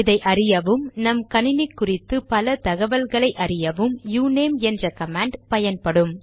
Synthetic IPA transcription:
ɪðɐɪʔɐrɪjɐʋɯmnɐmkɐnɪnɪkːʊrɪt̪ːɯpɐlɐt̪ɐɣɐʋɐlɣɐɭɐɪʔɐrɪjɐʋɯmjuːneːmɛndrɐkɐmaːɳɖpɐjɐnpɐɽɯm

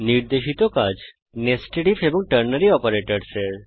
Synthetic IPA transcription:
niɾd̪eʃit̪okad͡ʑ | nesʈeʈifebɔ̃ŋɡ̚ʈəɾnəɾiɔpəɾeʈəɽseɾ

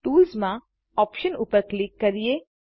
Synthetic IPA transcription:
ʈuːlzmã | ɔːpʃənuːpəɾklɪkːɐɾie

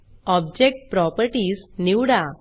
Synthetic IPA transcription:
ɔbd͡ʑek̚ʈ̚pɾɔpəɾʈiːsniwɽa

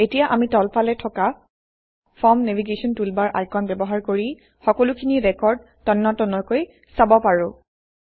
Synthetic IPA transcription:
etijaʔamitɔlpʰalɛtʰɔka | fʰɔɹmneviɡesɔntulbaɹʔa̰jkɔnbɛbɔɦaɹkoɹi | xɔkɔlukʰiniɹɛkɔɹd̚ | tɔnːɔtɔnɔkoj | sabɔpaɹʊ̃

